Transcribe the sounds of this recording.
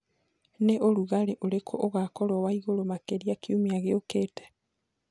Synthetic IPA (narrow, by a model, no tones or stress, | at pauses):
neʔoluɣaleʔolekʰoʔoɣakolowaiɣolomakeɾiakjumiaɣeoketḁ